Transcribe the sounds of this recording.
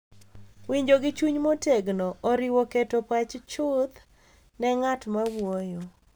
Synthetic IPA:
wiɲd͡ʒoɡɪt͡ʃuɲmoteɡnoʔɔɾɪwoketopat͡ʃt͡ʃʊd̪ | nɛŋatmawojo

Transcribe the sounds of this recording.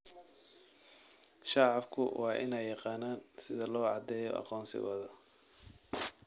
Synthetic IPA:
ʃɑʕɑbkʰʊ̰wʔɑːʔɪ̰nɛjːɑqɑːnaːnsɪðɐlɔːʕɑd̪ɛːjɔ̰ʔɑ̰qɔːnsɪ̰ɣɔ̰ːðɐ

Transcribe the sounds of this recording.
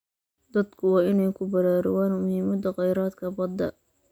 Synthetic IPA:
d̪ɐd̪kʰʊwɑːɪnɛjkʰʊbɐɾaːɾɔ̰waːnmʊhimɐd̪ɐqɑjɾaːd̪kʰɐbɐd̪ːɐ̰

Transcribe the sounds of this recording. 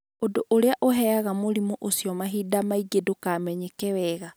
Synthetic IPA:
odoʔoɾeaʔoɦɛaɣamoɾimoʔosjɔmaɦidamaiɡedokamɛɲekɛwɛɣa

